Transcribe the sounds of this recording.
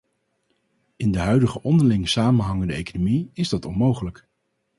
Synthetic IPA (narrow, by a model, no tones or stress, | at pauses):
ɪndəɦœɥdəχəʔɔndəɹlɪŋsaːmənɦɑŋəndəejkonomiɪzdɑtɔnmowχələk